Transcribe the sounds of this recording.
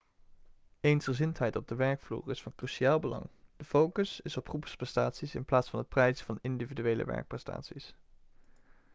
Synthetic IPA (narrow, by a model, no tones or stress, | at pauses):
ejnsχəzɪntɦɛjtɔb̚dəʋɛɹkflṵːrɪsfɑnkryʃiaːlˠbəlɑ̰ŋd̥əfowkəsɪsɔprupsprɛstaːtsisɪnplaːtsfɑnɦət̚prɛjzəvɑnɪndividyʋejlə̰ʋɛ̰ɹk̚prɛsta̰ːtsis